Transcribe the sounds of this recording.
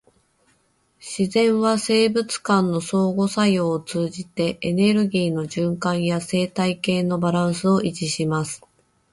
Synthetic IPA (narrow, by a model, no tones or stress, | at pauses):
ɕizẽ̞ɰ̃βase̞ːbɯ̟t͡sɨ̥kãnːo̞so̞ːɡo̞sajo̞ːt͡sɨːʑit̪e̞ʔːne̞ɾɯ̟ɡʲiːno̞ʑɨ̃ŋkãɰ̃jase̞ːt̪aike̞ːno̞baɾãɰ̃sɨo̞ʔit͡ɕiɕimasɨ̥